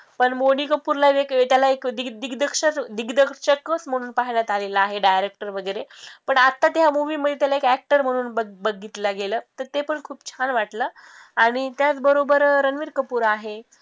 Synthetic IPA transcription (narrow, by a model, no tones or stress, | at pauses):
pəɳmonikəpuːɾlaʋeket̪jalaekd̪id̪iɡd̪əkʂəɾd̪iɡd̪əkɕəkːəsm̤əɽ̃uːnpaɦljat̪aleləaɦeɖajɾek̚ʈəɾʋəɡəjɾepəɳat̪ːat̪ɦamuʋiːməd̪ʱet̪jalaekæk̚ʈəɾm̤əɽ̃uːnbəbəɡit̪ləɡeləːt̪əɾt̪epəɳkʰuːpt͡ɕʰanʋaʈləːaɽ̃it̪jat͡sbəɾobəɾɾənʋiːɾkəpuːɾaɦe